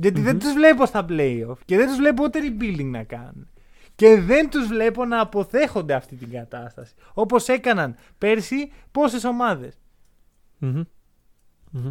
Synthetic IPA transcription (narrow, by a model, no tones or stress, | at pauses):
ʝɐt̪iðend̪uzvle̞post̪ɐpleiofceðent̪uzvle̞p̬out̪eɾibild̪iŋɡnɐ̰kɐ̰ne | ce̞ðe̞nt̪uzvle̞po̞nɐːpo̞θe̞xo̞nd̪e̞ɐft̪it̪iŋɡɐt̪ɐst̪ɐsi̥o̞po̞se̞kɐnɐn | pe̞ɾsipo̞se̞so̞mɐðe̞s